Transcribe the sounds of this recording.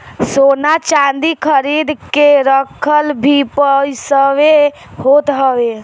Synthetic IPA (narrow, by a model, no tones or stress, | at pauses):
soːnat͡ʃãnd̪ikʰəɾid̪keɾəkʰəlbʱipəjsəʋe | ɦoːt̪ɦəʋe